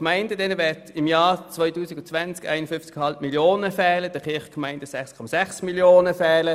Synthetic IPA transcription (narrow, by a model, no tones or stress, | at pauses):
kmaɪndədɛnəvɛɐtɪmjaːt͡svɔʏtuːsiɡ̥ʊnt͡sʋant͡ska̰ɪnəfʏnft͡sɡhɑlp̚miljoːnəfɛːləd̥əχɪɐχkmaɪnd̥əsɛχskʰɔməsɛχsmiljoːnəfɛːlə